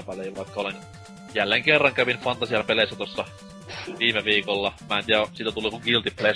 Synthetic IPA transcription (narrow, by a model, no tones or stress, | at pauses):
pæliːʋɑˑikːɑolen | jælːeŋkerːɑŋkæʋinfɑnt̪ɑsiɑlpeleˑisːæt̪osːɑ | ʋiːmeʋiːkolːɑmæːˑent̪iːæsit̪æt̪uliːkuŋkilt̪ipeleˑ